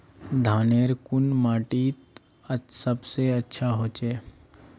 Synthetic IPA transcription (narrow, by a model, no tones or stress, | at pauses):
d̪ʱaːneːɾkʊnmaːʈiːt̪ | əsəbseɐtːʃʰaɦoːt͡ʃeː